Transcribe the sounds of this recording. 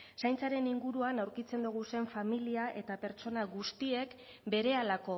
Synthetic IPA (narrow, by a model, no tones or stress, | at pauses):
sajnt͡saɾe̞niŋɡuɾuanawɾkit͡se̞nd̪uɣ̞use̞ɱfamiliaʔe̞t̪ape̞ɾt͡ʃo̞naɣust̪ie̞k | be̞ɾe̞alako̞